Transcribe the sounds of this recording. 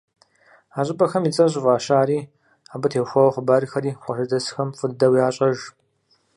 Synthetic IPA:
aːɕʼɪbɐxɐmit͡sʼɐʑɪvaːɕaːɾiː | aːbɨtʰeːxʷɐwχʷʊbaːɾixɐɾiːqʷʼɔʃɐdɐsxɐmfʼɨddɐwiaːɕʼɐʒ

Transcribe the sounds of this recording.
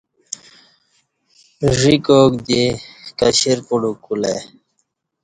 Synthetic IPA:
ʐikoːk̚d̪ekɐɕiɾpuɽukulḛ

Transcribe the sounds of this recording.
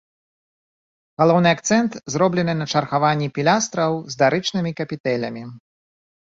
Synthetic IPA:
ɣalˠɔwnɨak̚t̪sɛnt̪zɾɔblʲɛnɨnɐt͡ʂɐrxavanʲːipʲilʲast̪ɾɐwzd̪aɾɨt͡ʂnɨmʲikɐpʲit̪ɛlʲɐ̰mʲi

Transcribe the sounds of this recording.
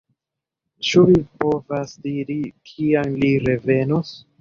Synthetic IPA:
t͡ʃuvipo̞vasdiɾikʰiamliɾe̞ve̞nos

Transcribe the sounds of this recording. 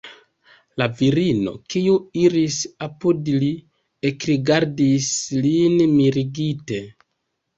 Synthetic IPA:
laviɾino̞̰kiuiɾisapudli | ekɾiɡaɾdislinmiɾiɡite̞

